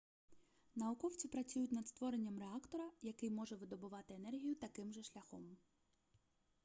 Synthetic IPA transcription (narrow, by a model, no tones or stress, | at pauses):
nɐʊkɔwt͡sʲipɾɐt͡sʲujʊt̚ʲnɐd̪st̪ʋɔɾenʲːɐmreɑkt̪ɔɾɐjɐkɪjmɔʒɛʋɪd̪ɔbʊʋɑt̪ɪenɛrɦʲijʊt̪ɐkɪmʒɛʃlʲɐxɔ̰m